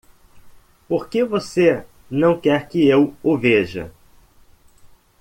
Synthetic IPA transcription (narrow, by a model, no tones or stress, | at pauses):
poɾkevose | nɐ̃w̃kɛɾkɪewʊveʒɐ̰